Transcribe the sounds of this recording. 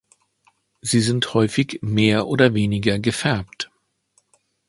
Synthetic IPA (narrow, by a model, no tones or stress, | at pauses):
ziːzɪnthɔʏfɪçmeːɐʔoːdɐveːnɪɡɐɡəfɛɐpt